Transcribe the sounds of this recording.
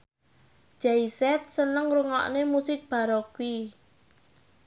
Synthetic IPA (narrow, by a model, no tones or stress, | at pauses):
d͡ʒ̥aisɛt̪̚sənəŋɾuŋɔ̰ʔnemusɪk̚b̥a̤ɾɔkui